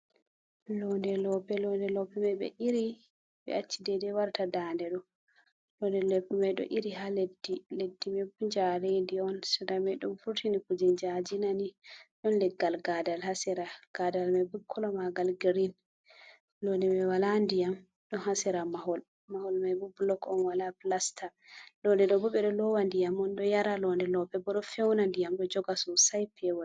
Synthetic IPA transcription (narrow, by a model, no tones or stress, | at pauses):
lɔndɛlɔpɛlɔndɛlɔpɛmajɓɛ̰ʔiɾi | ɓɛ̰at͡ʃːidɛdɛwaɾtʰadandɛɗɔ | lɔndɛlepːumajɗɔ̰ʔiɾiɦaledːiledːimɛbuɲd͡ʒaɾendiɔnsɛdamɛɗumfuɾtʰinikud͡ʒɛnd͡ʒad͡ʒinaniɗɔnlɛɡːalɡadalhasɛɾaɡ̥adalmabukʰːɔlɔmaɡalɡiɾin | lɔndɛmɛwalandijam | ɗɔnhasɛɾamaɦɔl | mahɔlmajbublɔkɔnwalaplastʰalɔndɛɗɔbɔɓɛɗɔlɔwandijamɔnɗɔjaɾalɔndɛlɔɓɛbɔɗɔfɛwnandijamɗɔd͡ʒɔɡasɔsajpʰɛwɔ